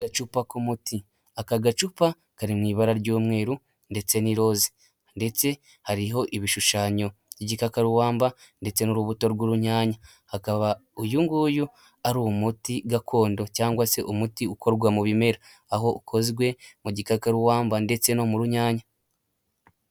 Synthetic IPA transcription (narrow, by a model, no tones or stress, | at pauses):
ɡat͡ʃupakumuti | akaɡat͡ʃupa | kaɾimŋiːβaɾaɾɟoːmwe̞ːɾu | nde̞t͡se̞niɾo̞ːzi̥ | nde̞t͡se̞ | haɾiɦo̞ʔiβiʃuʃaɲo̞ɟiɟikakaɾuwaːmba | nde̞t͡se̞nuɾuβuto̞ɾɡuɾuɲaːɲa | hakaβaujuŋɡuju | aɾumutiɡakʰo̞ːndo̞caːŋɡwase̞ʔumutiukʰo̞ɾɡwamuβime̞ɾa | aɦo̞ukʰoziɡwe̞muɟikakaɾuwaːmbande̞t͡se̞no̞muɾuɲaːɲa